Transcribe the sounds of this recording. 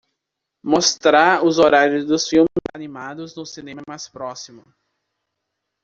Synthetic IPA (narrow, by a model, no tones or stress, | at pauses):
most̪ɾaɾʊzoɾaɾjʊzd̪ʊsfiwmɪzanimad̪ʊznʊsinẽmɐmajspɾɔsimʊ